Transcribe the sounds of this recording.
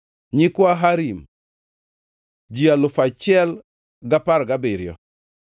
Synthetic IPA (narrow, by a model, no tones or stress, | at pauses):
ɲɪkwaɦaɾim | d͡ʒialʊfat͡ʃɛl | ɡapaɾɡabɪɾjɔ̰